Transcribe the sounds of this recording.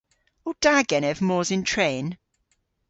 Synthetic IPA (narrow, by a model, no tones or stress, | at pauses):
od̥aːɡɛnɛvmɔːzɪ̃ntʰɹẽːn